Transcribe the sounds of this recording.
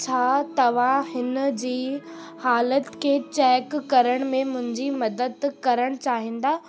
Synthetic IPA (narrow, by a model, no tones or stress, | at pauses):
t͡ɕʰaːt̪ɐʋ̤ãhɪnd͡ʑiː | haːlət̪kʰeːt͡ɕɛːkːɐɾəɽ̃mẽmʊ̃ɦɪ̃ɲd͡ʑimɐd̪əd̪kɐɾəɽ̃t͡ɕaːɦĩːn̆d̪aː